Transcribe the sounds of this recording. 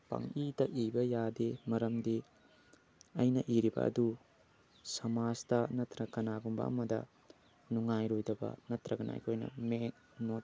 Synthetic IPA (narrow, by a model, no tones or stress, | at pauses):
pɐ̰ŋidɐibɐjademɐɾɐmdi | ɐjnɐʔiɾibɐ̰ɐ̰du | sɐmazdɐnɐtɾɐkɐnaɡumbɐ̰ɐ̰mɐdɐ̰ | nuŋajɾojdɐbɐ̰nɐtɾɐɡɐna̰j̰kʰojnɐ̰me | not̚